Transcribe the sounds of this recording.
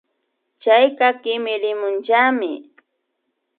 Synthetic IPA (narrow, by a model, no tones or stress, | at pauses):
t͡ʃajɢɑkɪmɪɾɪmʊnt͡ʃaːmɪ̰